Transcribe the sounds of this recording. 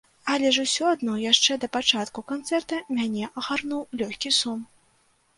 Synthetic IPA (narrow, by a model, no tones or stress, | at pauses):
ɐlʲɛʐusʲɔad̪nɔjaʂt͡ʂɛd̪ɐpat͡ʂat̪kukant̪sɛrt̪ɐmʲanʲɛʔɐɣarnuwlʲɔxʲkʲisum